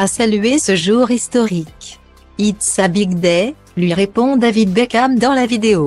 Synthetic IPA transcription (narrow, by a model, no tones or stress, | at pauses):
asalyesəʒuʁist̪ɔʁik | it̪sabiɡd̪ɛ | lɥiʁepɔ̃d̪avid̪̚bɛkamd̪ɑ̃lavid̪eo